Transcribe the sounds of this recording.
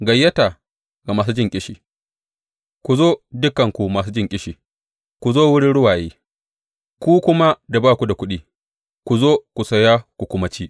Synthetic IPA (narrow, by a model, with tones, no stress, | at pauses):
ɡɐ˨jːɐ˦ta˨ | ɡa˨maː˨s̬u˦d͡ʒɪ˦˨ŋkʲʼɪ˦ʃiː˨ | kʷu˨zoː˦dʊ˦kɐ˨ŋkʷu˨maː˨s̬uː˦d͡ʒɪ˦ŋkʲʼɪ˦ʃiː˨ | kʷu˨zoː˦wʊ˦ɽɪ˦ɽʊ˦waː˨jeː˦ | kʷuː˦kʷʊ˦ma˦da˨baː˦kʷu˨da˨kʷʊ˦ɗiː˦ | kʷu˨zoː˦kʷu˨sɐ˨ja˦kʷu˨kʷʊ˦mɐ˦t͡ʃiː˦